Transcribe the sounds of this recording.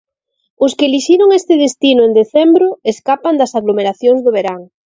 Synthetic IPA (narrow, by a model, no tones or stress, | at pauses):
ʊskɪeliʃiɾoŋest̪ɪðest̪inʊend̪eθɛmbɾʊeskapand̪ɐsaɣlomeɾaθjoŋzðʊβ̞eɾaŋ